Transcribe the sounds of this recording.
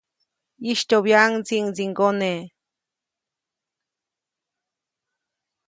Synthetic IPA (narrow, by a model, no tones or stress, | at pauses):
iʃt̪oβjaŋt͡siŋziŋɡone